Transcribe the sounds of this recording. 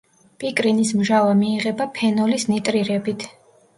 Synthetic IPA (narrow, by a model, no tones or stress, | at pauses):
pʼikʼɾinismʒavamiːʁɛbapʰɛnɔlisnit̪ʼɾiɾɛbit̪ʰ